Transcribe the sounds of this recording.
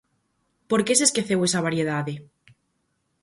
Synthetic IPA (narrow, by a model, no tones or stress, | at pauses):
poɾkeseskeθewesaβ̞aɾjeðaðe